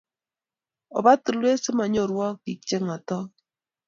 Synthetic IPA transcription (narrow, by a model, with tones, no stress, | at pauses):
o̰˨βa˦tu˨lwe˦se˦ma˨ɲo˦˨ɾwɔ˦ki˨t͡ʃe˦ŋa˨tɔ˦